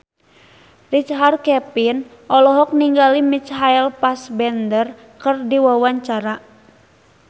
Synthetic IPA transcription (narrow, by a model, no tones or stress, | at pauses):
rit͡ʃɦarkɛpin | ʔɔlɔɦɔk̚niŋɡalimit͡ʃɦajlpasbɛndər | kɨrdiwawaɲt͡ʃaɾa